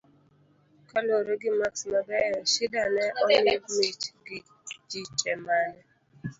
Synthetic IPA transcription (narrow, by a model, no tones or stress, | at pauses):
kaloɾoɡɪmaksmabɛjɔʃɪdanɛʔɔnemet͡ʃɡɪ | d͡ʒit͡ʃɛmanɛ